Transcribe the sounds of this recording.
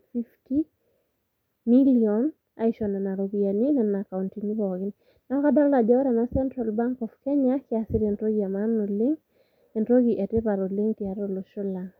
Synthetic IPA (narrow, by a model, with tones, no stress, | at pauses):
fi˦fti˦ | miliɔn | a˦iʃɔ˨na˨na˨ɾoɡia˨nɪ˦nɛnaka˨untiŋ˦bɔ˨ɡɪnɪ | na˦ka˦da˦lla˨d͡ʒɔ˦ɔ˦ɾama˦sɛ˦ntɾa˨lba˦ŋkɔ˨fkɛ˦ɲakɪasɪ˦ɾentɾo˦ɡia˨manɔ˨lɪ˦ŋ | e˨ndɾo˦ɡi˨ʔɛ˨te˦pa˨ɾɔ˨lɪ˦ŋtia˨ɾɔ˦lo˨ʃɔ˦la˨ŋ